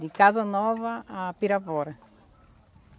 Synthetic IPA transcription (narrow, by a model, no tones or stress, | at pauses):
d̪ikazɐnɔvɐːpiɾapɔɾɐ